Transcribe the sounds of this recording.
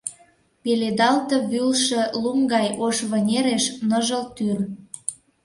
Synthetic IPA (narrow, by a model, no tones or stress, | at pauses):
peled̪ɑlt̪ɤ̆βylʃĕlumɡɑjʔoʃβə̆nʲeɾeʃnə̆ʒəlt̪yr